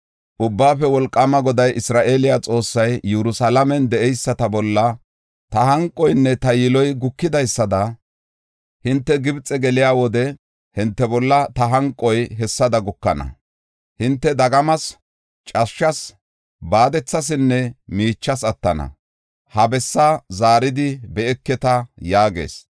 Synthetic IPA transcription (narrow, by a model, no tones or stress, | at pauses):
ʔʊbːaːfɛwɔlkʼːɐmɐɡɔd̪ɐjʔɪsɾaːʔeːlɪjat͡sʼo̞ːsːɐjːɛɾʊsɐlɐmɛnd̪ɛʔɛjsːɐt̪ɐbɔlːɐ | t̪ɐhɐŋkʼːɔjnːɛt̪ɐjɪlɔjɡʊkːɪd̪ɐjsːɐd̪ɐ | hɪnt̪ːɛɡɪbt͡sʼːɛɡɛlɪjaːwɔd̪ɛ | hɪnt̪ːɛbɔlːɐt̪ɐɦɐŋkʼːɔjɦɛsːɐd̪ɐɡʊkːɐnɐ̰ | hɪnt̪ːɛd̪ɐɡɐmɐs | t͡ʃʼɐʃːɐs | baːd̪ɛt͡sːɐs̬ɪnːɛmiːt͡ʃːɐsɐt̪ːɐnɐ̰ | hɐbɛsːazaːɾɪd̪ɪbɛɛkːɛt̪ɐjaːɡe̞̰ːs